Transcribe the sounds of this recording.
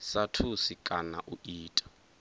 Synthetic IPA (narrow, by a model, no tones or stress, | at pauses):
satʰusikʼana̰ʔuiːtʼḁ